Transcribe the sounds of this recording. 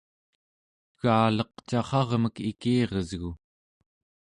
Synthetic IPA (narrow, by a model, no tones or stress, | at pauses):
ɣaːlʌq̚t͡ʃɑχɑʁməkikiːʁʌzɣu